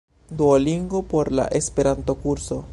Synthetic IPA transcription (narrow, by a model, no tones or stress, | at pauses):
d̪uoliŋɡopo̞ɾla̰ʔespe̞ɾant̪o̞kuɾso̞